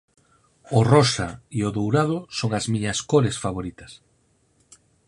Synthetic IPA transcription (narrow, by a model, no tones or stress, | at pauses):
orosaioðowɾað̞ʊsoŋɐzmiɲɐskoɾesfaβoɾit̪ɐs